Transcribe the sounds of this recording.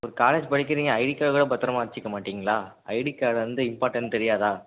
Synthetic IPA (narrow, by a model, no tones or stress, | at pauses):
ɔɾɯkaːleːd͡ʒpɐɽɪk̬ːɪɾiːŋɡɐɐɪɽikːaːɭkɐɽɐbɐt̪ːɐɾɐmaːɾɪt͡ʃːɪkːɐmaːʈːiːŋɡɐɭaːʔɐ̰ɪɽikːaːɭɐnd̪ɯɪmpaːɾʈːɐnt̪ɛɾɪjaːðaː